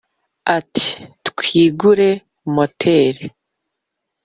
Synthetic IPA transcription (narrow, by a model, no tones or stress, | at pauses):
atʰi̥tkʰiːɡuɾe̞ | motʰeɾe